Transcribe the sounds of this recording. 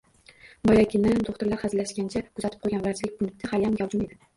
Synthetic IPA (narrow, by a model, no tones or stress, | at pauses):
bɒjakʲɪnɪoχt̪ʊɾlaɾhazɪlaʃkʲant͡ʃʰakʰʊzat̪ɪ̥p̚ʰojɡʲanvɾaɾt͡ʃʰlɪk̚ʲbʊnɪk̪̚t̪ɪhaljamjʲaɒwˠd͡ʒʊme̞d̪ɪ